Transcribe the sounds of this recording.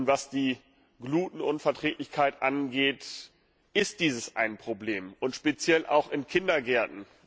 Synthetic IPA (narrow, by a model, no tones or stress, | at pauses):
ntv̥asd̥iː | ɡluːtn̩ʔʊnfɛɐtʁ̥eːtlɪçkʰaɪtʔanɡeːt | ɪst̚d̥iːzəsʔa̰ɪnpʁ̥obleːmʔʊntʃpet͡sjɛlʔa̰ʊxɪnkʰɪndɐɡɛɐtn̩